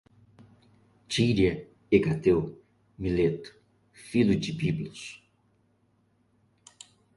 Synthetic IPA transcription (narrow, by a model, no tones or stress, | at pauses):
t͡ʃiɾjɐ | eɡat̪ew | milet̪ʊ̥ | filʊd͡ʒɪbiblʊs